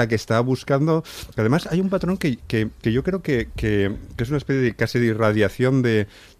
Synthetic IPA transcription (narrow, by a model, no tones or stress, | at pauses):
ak̬est̪aβuskand̪o̞keaðe̞masajumpat̪ɾo̞ŋkekekeʝo̞kɾe̞oke̞kekees̬unaespeθjeekasiðeirað̞jaθjo̞nd̪e̞